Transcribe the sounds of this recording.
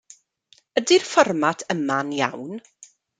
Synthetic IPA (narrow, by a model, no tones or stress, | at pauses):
ədirfɔrmatʰəmanjawn